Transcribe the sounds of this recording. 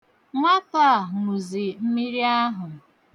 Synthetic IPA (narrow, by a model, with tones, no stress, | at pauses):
ŋʷa˦pa˦˨ŋu˨zi˨m̩˦mi˦ɾi˦a˦ɦʊ˨